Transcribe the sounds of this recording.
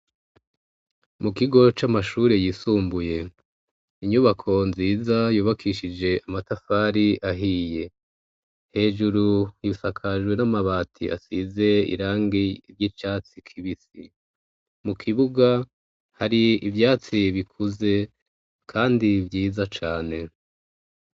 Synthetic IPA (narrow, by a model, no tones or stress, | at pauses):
mukiɡo̞t͡ʃamaʃuːɾe̞jiːsuːmbuje̞ | iɲuβakʰo̞nziːzajuːβakʰiʃid͡ʒe̞ʔamatafaːɾiʔaɦije̞ | he̞ːʒuɾujisakʰaʒɡwe̞namaβaːtʰḭʔa̰size̞ḭɾaːŋɡiɾjit͡ʃaːt͡sikʰiβisi | mukʰiβuɡa | haɾiivjaːt͡siβikʰuze̞ | kʰaːndivjiːzat͡ʃaːne̞